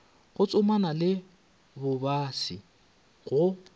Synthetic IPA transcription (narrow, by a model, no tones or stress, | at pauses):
ɣʊt͡sʼʊmanalɪ | bʊbasi | ɣʊ